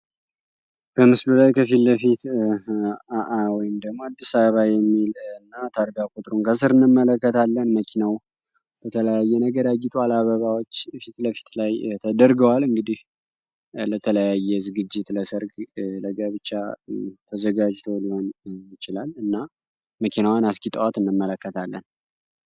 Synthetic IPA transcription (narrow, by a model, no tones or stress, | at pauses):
b̥əmɨslulajkʰəfilləfit̪ | aʔawɔjɪmd̪əɡmo̞ad̪ːisaβəβajɛmːilɨnːat̪ʰaɾɡakʼut̪ʼɾunkʰəsɨɾɨnːɨmːələkːət̪ʰalːənməkʰinaw | b̥ət̪ʰələjajːɛnəɡəɾaɡɪt̪ʰualaβəβawot͡ʃːfit̪ləfi̥t̪lajt̪ʰəd̪əɾɡəwalɨŋɡɨd̪ih | lət̪ʰələjajːɛzɨɡɨd͡ʒːɪt̪ləsəɾɡləɡaβɨt͡ʃːat̪ʰəzəɡad͡ʒt̪ʰo̞liho̞njɪt͡ʃɪlalɨnːa | məkʰinawanaskit̪ʼəwat̪ɨnːɨmːələkːət̪ʰalːən